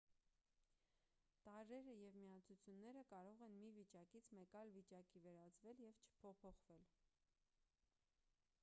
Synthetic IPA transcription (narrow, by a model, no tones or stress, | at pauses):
t̪ɑɾɛɾəjɛvmiɑt͡sʰut͡sʰjunːɛɾəkɑɾɔʁɛnmivit͡ʃɑkit͡sʰmɛkɑjlvit͡ʃɑkivɛɾɑt͡svɛljɛvt͡ʃʰə̥pʰɔpʰɔχvɛl